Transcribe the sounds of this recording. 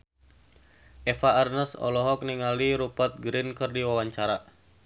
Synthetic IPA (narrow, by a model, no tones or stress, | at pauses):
ʔɛfaːrnəsɔ̰lɔɦɔk̚niŋaliɾupat̪̚ɡɾinkərdiwawaɲt͡ʃaɾa